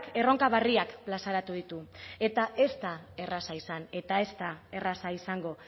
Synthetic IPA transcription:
ke̞ro̞ŋkaβ̞ariakplasaɾat̪uð̞it̪ue̞t̪aʔe̞st̪ae̞rasaisane̞t̪ae̞st̪ae̞rasaisaŋɡo̞

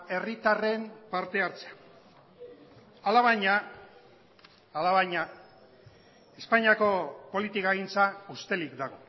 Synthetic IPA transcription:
e̞rit̪are̞mpaɾt̪e̞aɾt͡sea | alaβaɲa | laβaɲa | e̞spaɲiako̞po̞lit̪ikaeɣint͡saust̪e̞likd̪aɣ̞o̞

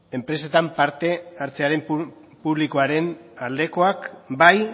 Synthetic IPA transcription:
e̞mpɾe̞set̪ampaɾt̪e̞aɾt͡se̞aɾe̞m | puβliko̞aɾe̞nald̪e̞ko̞akbaj

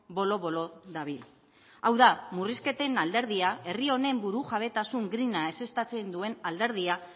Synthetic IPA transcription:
bo̞lo̞βo̞lo̞ðaβil | awðamuriske̞t̪e̞nald̪e̞ɾð̞iae̞rio̞ne̞mbuɾuʝaβ̞e̞t̪asuŋɡɾinae̞se̞st̪at͡se̞nd̪ue̞nald̪e̞ɾðia

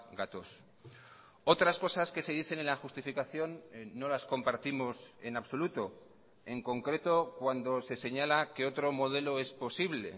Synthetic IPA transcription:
ɡat̪os | o̞t̪ɾasko̞saske̞se̞ð̞iθe̞nenlaxust̪ifikaθjo̞nːo̞lasko̞mpaɾt̪imo̞se̞naβso̞lut̪o̞ | e̞ŋko̞ŋkɾe̞t̪o̞kwand̪o̞se̞se̞ɲalakeo̞t̪ɾo̞mo̞ð̞e̞lo̞e̞spo̞siβle̞̰

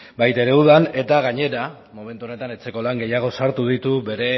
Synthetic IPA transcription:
bajt̪e̞ɾe̞uðane̞t̪aɣaɲe̞ɾa | mo̞me̞nt̪uone̞t̪anet͡se̞ko̞laŋɡe̞jaɣ̞o̞saɾt̪uð̞it̪uβe̞ɾe̞

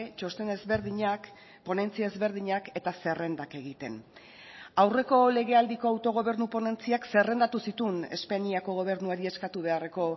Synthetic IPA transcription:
t͡ʃo̞st̪e̞nezβeɾðiɲak | po̞ne̞nt͡siae̞zβe̞ɾð̞iɲake̞t̪ase̞re̞nd̪ake̞ɣ̞it̪e̞̰n | awre̞ko̞le̞ɣ̞e̞ald̪iko̞awt̪o̞ɣ̞o̞βe̞ɾnupo̞ne̞nt͡siakse̞re̞nd̪at̪usit̪une̞̰spaɲiako̞ɣ̞o̞β̞e̞ɾnuaɾie̞skat̪uβ̞e̞are̞ko̞

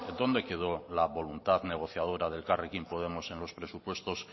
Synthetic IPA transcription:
d̪o̞nd̪e̞ke̞ð̞o̞laβo̞lunt̪aðne̞ɣ̞o̞θjað̞o̞ɾaðe̞lkarekimpoð̞e̞mo̞sẽ̞nlo̞spɾe̞supwe̞st̪o̞s

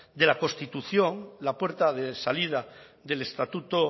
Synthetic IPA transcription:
d̪e̞lakost̪it̪uθjo̞ŋlapwe̞ɾt̪aðesalið̞aðe̞le̞st̪at̪ut̪o

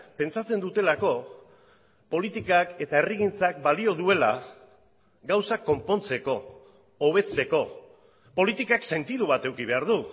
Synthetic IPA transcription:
pe̞nt͡sat͡se̞nd̪ut̪e̞lako̞ | po̞lit̪ikake̞t̪aeriɣint͡sakbalio̞ð̞ue̞la | ɡawsakːo̞mpo̞nt͡se̞ko̞ː | β̞e̞t͡se̞ko̞ | po̞lit̪ikakse̞nt̪iðuβ̞at̪e̞wkiβe̞aɾðu

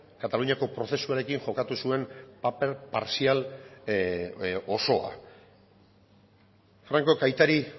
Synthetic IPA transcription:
kat̪aluɲiako̞pɾo̞θe̞suaɾe̞kiŋʝo̞kat̪usue̞mpapeɾpaɾsial | o̞so̞a̰ | fɾaŋko̞kajt̪aɾi

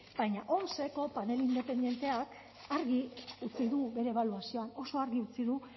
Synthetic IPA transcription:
b̥ajɲaʔo̞nse̞ko̞pane̞lind̪e̞pe̞nd̪je̞nt̪e̞ak | aɾɣiut͡siðuβe̞ɾe̞ːβaluasio̞ano̞so̞aɾɣiut͡siðu

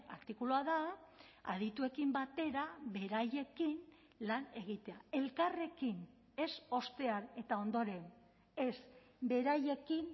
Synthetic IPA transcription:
a̰ɾt̪ikuloaða | a̰ðit̪ue̞kimbat̪e̞ɾaβe̞ɾaje̞kin | lane̞ɣ̞it̪e̞ae̞lkare̞kin | e̞so̞st̪e̞ane̞t̪ao̞nd̪o̞ɾe̞n | e̞s | be̞ɾaje̞kin

